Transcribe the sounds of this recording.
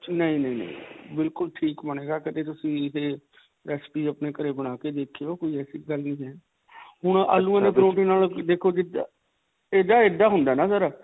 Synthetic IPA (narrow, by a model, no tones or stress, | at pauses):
nəĩːnəĩːnə̰ḭ̃bɪlkʊlʈʰiːkməneːɡaːkɪt̪eːt̪ʊsĩːɪt̪eː | ɾɛːspiːəpneːkəɾeːbəɽ̃aːkeːd̪eːkʰːeoːkoːiːɛːsiːɡəlnĩːɦɛː | hʊɳ̃a̰ːlũːãːnẽːpɾõːʈĩːnaːld̪eːkʰoːd͡ʒɪd̪ | eːd̪aːeːd̪aːɦʊnd̪aːnãːsəɾaː